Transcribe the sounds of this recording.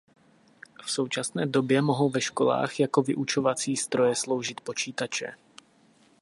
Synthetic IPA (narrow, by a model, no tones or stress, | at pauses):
fso̞wt͡ʃasnɛːdo̞bjɛmo̞ɦo̞wvɛʃko̞la̰ːxjako̞vɪʔut͡ʃo̞vat͡siːst̪ɾo̞jɛslo̞wʒɪt̪po̞t͡ʃiːt̪at͡ʃɛ̰